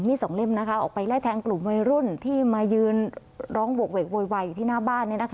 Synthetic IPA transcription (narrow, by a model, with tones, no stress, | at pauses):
miː˦˥˩sɔ˨˩˦ŋle˥˩mna˦˥kʰa˦˥ʔɔ̰ː˨˩k̚pa˧jlaː˥˩jt̪ʰɛː˧ŋklu˨˩mwa˧jɾu˥˩nt̪ʰiː˥˩maː˧jɯː˧n | ɾɔː˦˥ŋwu˨˩ək̚weː˨˩k̚woː˧jwaː˧jːu˨˩t̪ʰiː˥˩naː˥˩baː˥˩nːiː˥˩na˦˥kʰ